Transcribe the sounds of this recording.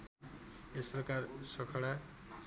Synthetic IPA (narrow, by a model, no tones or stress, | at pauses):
esprʌkarsʌkʰʌɽa